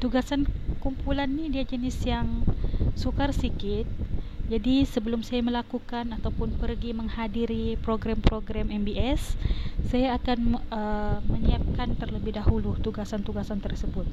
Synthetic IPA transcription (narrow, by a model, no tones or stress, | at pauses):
t̪uɡasankumpulanːidiad͡ʒənɪsjaŋsukarsikɪt̪̚d͡ʒadisəbəlʊmsajaməlakukanat̪awpʊnpərɡiməŋhadiɾipɾoɡɾampɾoɡɾamɛmbiɛsːajaːkanəməɲiap̚kant̪ərləbɪhdaɦulut̪uɡasant̪uɡasant̪ərsəbʊt̪̚